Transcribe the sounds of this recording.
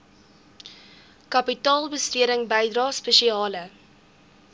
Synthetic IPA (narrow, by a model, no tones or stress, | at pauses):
kɐpitɑːlˠbəstyəɾəŋbɛjdrɑːspəʃiɑːlə